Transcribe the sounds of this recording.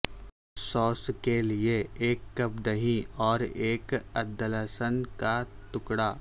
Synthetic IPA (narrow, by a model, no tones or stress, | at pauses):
sɔːskelieeːkːɐbd̪əɦiɔːɾeːkɐd̪ːələsənkat̪ʊkɽaː